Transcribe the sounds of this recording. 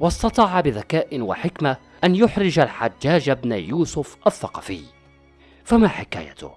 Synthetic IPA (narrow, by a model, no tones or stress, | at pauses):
wɑst̪ɑt̪ˤɑːʕbɪðakaːʔɪwa̰ħɪkma | ʔanjʊħɾɪd͡ʒalħad͡ʒːaːd͡ʒabnajuːsʊfʔaθːɑqɑ̰fɪ̰j | famaħɪka̰ːja̰t̪ʊ̰